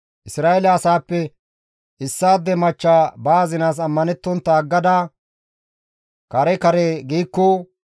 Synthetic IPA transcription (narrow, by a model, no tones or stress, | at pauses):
ʔɪsɾaːʔɛlɛɐsaːpːɛ | ɪsːaːd̪ːɛmɐt͡ʃːaːbaːzɪnaːs̬ɐmːɐnɛt̪ːɔnt̪ːɐɡːɐd̪aː | kɐɾɛkɐɾɛɡiːkːɔ